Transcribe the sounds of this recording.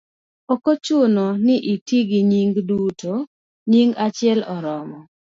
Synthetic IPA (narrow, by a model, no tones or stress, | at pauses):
okot͡ʃʊnonɪʔitiɡiɲiŋɡdutʰo | ɲiŋɡat͡ʃɪɛlɔɾɔmɔ